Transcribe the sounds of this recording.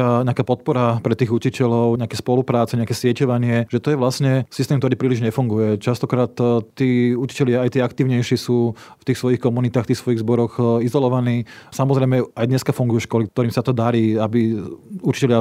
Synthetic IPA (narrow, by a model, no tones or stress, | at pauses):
aɲɛakaːpɔt̪̚pɔɾapɾɛt̪iːɣucicɛlɔʊɲɛakɛːspɔlupɾaːt͡sɛɲɛakɛːsɪɛcɔʋaɲɪɛʒ̥ɛt̪ɔjɛʋlasɲɛsist̪ɛmkt̪ɔɾiːpɾiːliʒɲɛfuŋɡujɛt͡ʃast̪ɔkɾaːt̪t̪ːiːuci̥cɛʎɪaːjt̪iːakt̪iːʊɲɛjʃɪɛsuːft̪iːxsʋɔjixkɔmunit̪aːxft̪iːxsʋɔjiɣzbɔɾɔxizɔlɔʋaniːsamɔzɾɛɪmɛajd̪ɲɛskafuŋɡujɛʃkɔlikt̪ɔɾiːmsat̪ɔd̪aɾiːabiut͡ʃi̥cɛlɪa